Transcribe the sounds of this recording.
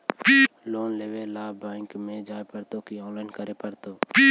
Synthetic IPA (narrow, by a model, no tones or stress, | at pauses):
piːloːnleːʋeːlːaːbːaːɪŋkmẽːd͡ʒaːepəɾt̪oːkiːõːnlaːɪnkəɾeːpəɾt̪oːpiː